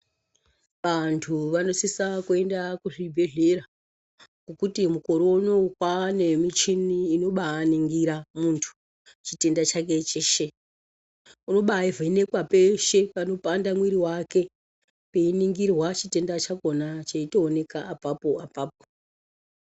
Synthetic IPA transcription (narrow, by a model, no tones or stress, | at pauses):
ʋantʰuʋano̞sisakue̞ndakuʐibʱe̞ɮe̞ɾa | ɡokutimuko̞ɾoonokwane̞mit͡ʃiniːno̞ɓaːniŋɡiɾamuntʰu̥ | t͡ʃite̞ndat͡ʃak̬e̞t͡ʃeːʃe | uno̞ɓaivʱene̞kwape̞ʃe̞pano̞pandamwiɾiwake̞ | peiniŋɡirwat͡ʃite̞ndat͡ʃakonat͡ʃaitoːne̞kaːpapoapaːp̚o̥